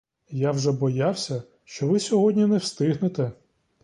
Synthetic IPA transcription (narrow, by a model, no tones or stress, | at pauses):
jawʒɛbɔjawsʲɐ | ʃt͡ʃɔʋɪsʲɔɦɔdʲnʲinɛwst̪ɪɦnet̪ɛ